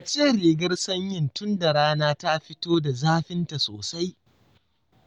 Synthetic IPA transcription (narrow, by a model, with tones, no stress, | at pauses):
a˨t͡ʃeː˦˨ɾeː˨ɡɐ˦rsɐ˦ɲjɪ˦˨ntʊ˦nda˨ɽaː˦naː˦ta˦ɸɪ˦toː˦da˨zaː˦ɸɪ˦nta˨soː˨sa˦j